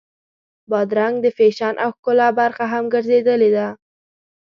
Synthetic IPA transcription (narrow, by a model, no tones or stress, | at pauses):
bɑd̪ɾaŋɡd̪əfeʃɑnʔawkʊlɑbaɾxaɦamɡəɾzed̪əled̪a